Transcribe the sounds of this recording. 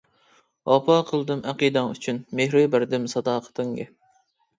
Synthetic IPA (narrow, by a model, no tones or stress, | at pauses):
ɑpʰɑqʰəlˠd̪ɨmʔæqid̪ɛŋyt͡ʃʰynmehɾɪbæɾd̪ɪmsɑd̪ɑːqʰə̥t̪ʰɨŋɡḛ